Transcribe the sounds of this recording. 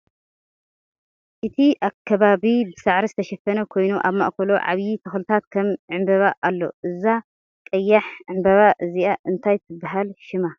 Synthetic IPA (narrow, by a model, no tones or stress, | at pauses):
ʔɨt̪ʰiʔakʰːɐβaβibɨsaʕɾizɨt̪ʰɐʃɐfɐnɐkʰo̞jnuʔa̰βma̰ʔkʰɐloʕa̰βjit̪ʰɐxlt̪ʰat̪kʰɐmʕɨmbɐβaʔalːo̞̰ʔɨza | kʼɐjːaħʕɨmbɐβaʔɨziʔaʔɨnt̪ʰajt̪ʰɨbːaɦalʃɪma